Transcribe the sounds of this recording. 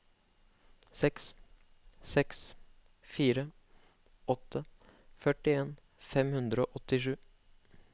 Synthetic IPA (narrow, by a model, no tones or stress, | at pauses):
sɛks | sɛks | fiːɾə | ɔt̪ʰːəfœʈɪeːn | fɛmhʉnd̪ɾəoːʔɔt̪ɪʂʉː